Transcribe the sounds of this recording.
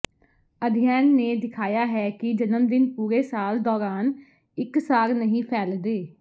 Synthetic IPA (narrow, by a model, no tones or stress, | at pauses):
əd̪ʱɪjɛːnːeːd̪ɪkʰaːjaːɦɛːkɪd͡ʒənəmd̪ɪnpuːɾeːsaːld̪ɔːɾaːn | ɪksaːɾnəɦĩːpʰɛːld̪eː